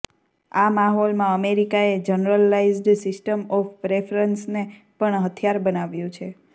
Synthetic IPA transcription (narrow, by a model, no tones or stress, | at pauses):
amaɦɔlmãəmeɾikaed͡ʒənɾəlaizɖsɪsʈəmɔfpɾefɾənsne | pəɳɦət̪ʰjaɾbənaʋjũt͡ʃʰe